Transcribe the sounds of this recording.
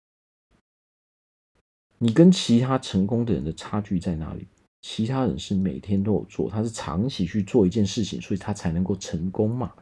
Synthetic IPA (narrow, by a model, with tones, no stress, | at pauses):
ni˨˩kə˦˥nt͡ɕʰi˧˥t̪ʰa˥ʈ͡ʂʰə˧˥ŋkʊ˥ŋd̪ə˨˩ɻə̰˧˦nd̪ə˨ʈ͡ʂʰa˥t͡ɕy˥˧t͡sa˥˩ɪna̰˧˥lḭ˨˩˦ | t͡ɕʰi˧˥t̪ʰa˥ɻə̰˧˦nʂɻ̩˥˩mḛ˨˩ɪt̪ʰjɛ˥nt̪o˥ʊjo˨˩ʊt͡swɔ̰˥˩t̪ʰa˥ʂɻ̩˥˩ʈ͡ʂʰɑ̰˧˥ŋt͡ɕʰi˨˩t͡ɕʰy˥˧t͡swɔ˥˨i˧˥t͡ɕjɛ˥˧nʂɻ̩˥˩t͡ɕʰḭ˨˩ŋswɔ˧˥i˨t̪ʰa˥t͡sʰa˧˥ɪnə˧˥ŋko˥˩ʊʈ͡ʂʰə˧˥ŋkʊ˥ŋmɐ˨